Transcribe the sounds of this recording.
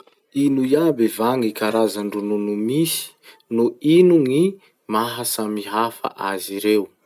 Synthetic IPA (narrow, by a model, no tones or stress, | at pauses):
inujabevaŋikaɾazaɳɖ͡ʐununumisi̥ | nuinuŋi | maɦasamiɦafa̰ʔaziɾew